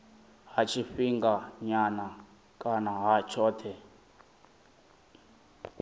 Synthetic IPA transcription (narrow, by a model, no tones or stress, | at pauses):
ɦat͡ʃʰiɸiŋɡaɲana | kʼanaɦat͡ʃʰɔːtʰɛ